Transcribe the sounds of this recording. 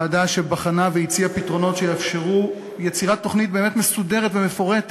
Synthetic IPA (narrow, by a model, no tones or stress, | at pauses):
adaʃe̞baχanaveit͡siapitʁo̞no̞tʃejeafʃe̞ʁu | je̞t͡siʁat̪ːo̞χnit̚bemetme̞sudeʁetveme̞fo̞ʁet̪